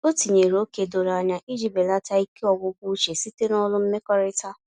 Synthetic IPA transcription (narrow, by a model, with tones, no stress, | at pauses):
o˦ti˨ɲe˨ɾo˨˦ke˨do˨ɾa˨ɲa˦ʔi˦d͡ʒi˦be˨la˦ta˦i˦ki˦ɔ˦ɡʊ˦kʷu˦t͡ʃe˨si˦te˦nɔ˦lʊ˦m̩˦me˦kɔ˦ɾɪ˦ta˦